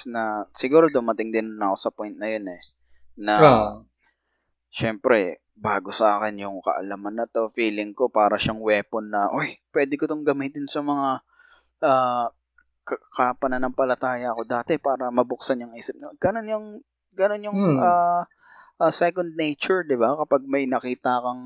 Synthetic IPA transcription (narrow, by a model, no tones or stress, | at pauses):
nɐsɪɡuːɾo̞d̪ʊmɐt̪ɪŋd̪ɪnnɐko̞sɐpjnt̪̚nɐjo̞nɛ | nɐ | ʃɛmpɾɛ | baːɡo̞sɐʔaːkɛnjʊŋkɐ̰ʔɐ̰lɐmɐnːɐt̪o̞fiːlɪŋko̞paːɾɐʃaŋwɛːponːɐʔojpwɛːd̪ɪkot̪oŋɡɐmit̪ɪnsɐmɐŋa | ʔaː | kɐkapɐnɐnɐŋpɐlɐt̪aːjɐɐko̞d̪aːt̪ɛpaːɾɐmɐbʊk̚sɐnʊŋʔiːsɪp̚nɐɡ̥ɐno̞njʊŋ | ɡɐno̞njʊŋaː | ʔɐsɛkond̪̚nejt͡ʃʊɹd̪ɪbakɐpaɡ̚mɐjnɐkiːt̪akɐŋ